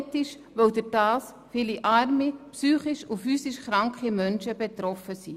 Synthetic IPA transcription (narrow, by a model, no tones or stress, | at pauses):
t̪ɪʃ | ʋœwd̪əɾd̥ɑːs | fiːliʔɑɾmipsyːχiʃufyːsiʃχɾɑŋkχimœnʃəb̥ɛt̪ɾɔfəsi